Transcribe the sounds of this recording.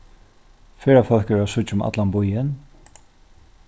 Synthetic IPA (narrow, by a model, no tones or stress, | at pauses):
fɛːɾafœlkəɛɾasʊt͡ʃʊma̰t̪lanbʊjɪn